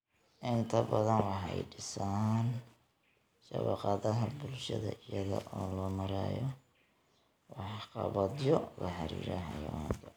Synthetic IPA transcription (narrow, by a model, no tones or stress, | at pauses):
ʔɪnt̪ʰɐbɐðɐnwɑħɑjɖɪsaːn | ʃɐβɑqɑðɐɦɐbʊlʃɐðɐʔɪjɐðɐ̰ʔɔːlɔːmɐɾaːjɔ | wɑħqɑβɐd̪jɔlɐħɑɾḭːɾɛɦɐjɔt̪ʰɐ